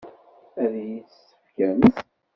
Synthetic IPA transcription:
æðji | əfkæmθ

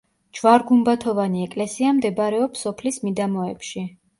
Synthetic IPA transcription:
d͡ʒvaɾɡumbat̪ʰɔvaniɛkʼlɛsiamd̪ɛbɾɛɔpsɔpʰlismid̪amɔɛpʃi

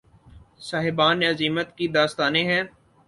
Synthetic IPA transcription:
saːɦɪbaːnɐziːmət̪kid̪aːst̪aːnẽɦɛ̃ː

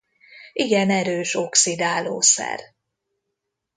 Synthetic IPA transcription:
iɡɛnɛɾøːʃo̞ksid̪aːlo̰ːsɛ̰r

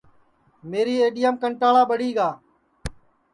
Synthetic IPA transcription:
meːɾiːeːɗijəmkəɳʈaːɭaːɓəɽiːɡaː

